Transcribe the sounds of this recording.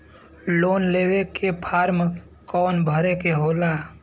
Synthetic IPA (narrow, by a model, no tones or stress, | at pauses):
loːnleːwekepʰaːɾm | kɔːnbʱəɾekeɦoːlaː